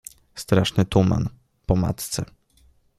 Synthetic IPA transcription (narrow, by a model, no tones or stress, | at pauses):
st̪ɾaʂnɘt̪uma̰n | pɔma̰t̪t̪sɛ